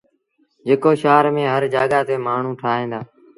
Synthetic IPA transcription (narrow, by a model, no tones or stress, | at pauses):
d͡ʒeːkoːʃaːɾmẽːɦəɾd͡ʒaːɠaːt̪eːmaːɳ̤ũːʈʰaːɦẽːnd̪aː